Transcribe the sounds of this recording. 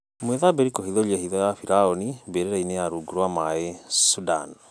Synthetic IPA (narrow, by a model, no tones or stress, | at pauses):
mweðabeɾikohiðɔlehiðɔjafiɾaɔnibeɾeɾainejaɾuːɡuɾwamaesuda̰n